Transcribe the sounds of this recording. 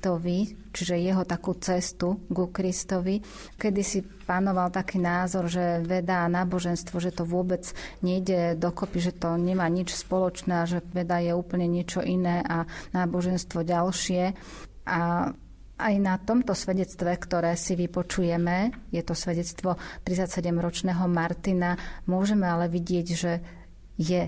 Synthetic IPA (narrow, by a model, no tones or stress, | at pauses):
t̪ɔʋi | t͡ʃiʒɛjɛɦɔt̪akuːt͡sɛst̪uɡukɾist̪ɔʋi | kɛd̪isi | panɔʋalt̪akiːnaːzɔɾʒɛʋɛd̪anaːbɔʒɛnst̪ʋɔʒɛt̪ɔʋʊɔbɛd͡zɲɛiɟɛd̪ɔkɔpiʒɛt̪ɔɲɛmaːɲit͡ʃspɔlɔt͡ʃnaːʒɛʋɛd̪ajɛuːpl̩ɲɛɲɪɛt͡ʃɔʔinɛːʔanaːbɔʒɛnst̪ʋɔɟalʃɪɛ | ʔa | ʔajnat̪ɔmt̪ɔsʋɛɟɛt͡st̪ʋɛkt̪ɔɾɛːsiʋipɔt͡ʃujɛmɛjɛt̪ɔsʋɛɟɛt͡st̪ʋɔt̪ɾit͡sacsɛɟɛmɾɔt͡ʃnɛːɦɔmaɾt̪inamʊɔʒɛmɛalɛʋiɟɪɛɟʒɛ | jɛ